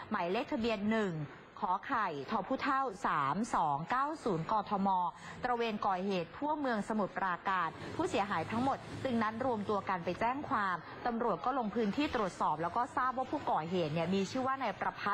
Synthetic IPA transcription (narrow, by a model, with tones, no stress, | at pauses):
ma˩˦jle˦˥k̚t̪ʰa˧bi˧ənːɯ˨˩ŋ | kʰɔː˩˦kʰa˨˩jt̪ʰɔ˧pʰuː˥˩t̪ʰa˥˩wsaː˩˦msɔː˩˦ŋkaː˥˩wsuː˩˦nkɔː˧t̪ʰɔ˧mɔː˧t̪ɾa˧weː˧nkɔː˨˩heː˨˩t̪̚ʰu˥˩əmɯ˧əŋsa˧mu˨˩t̪̚pɾaː˧kaː˧n̚pʰuː˥˩si˩˦əɦaː˩˦jt̪ʰa˦˥ŋmo˨˩t̪̚t͡ɕɯ˧ŋna˦˥nɾu˧əmt̪u˧ɐka˧npa˧jt͡ɕɛː˥˩ŋkʰwaː˧m | t̪a˧mɾu˨˩ət̪̚kɔː˥˩lo˧ŋpʰɯː˦˥nt̪ʰiː˥˩t̪ɾu˨˩ə˩t̪̚sɔː˨˩p̚lɛː˦˥wkɔː˥˩saː˥˩p̚waː˥˩pʰuː˥˩kɔː˨˩ɦeː˨˩t̪̚ni˥˩əmiː˧t͡ɕʰɯː˥˩waː˥˩na˧jpɾa˧pʰa˦˥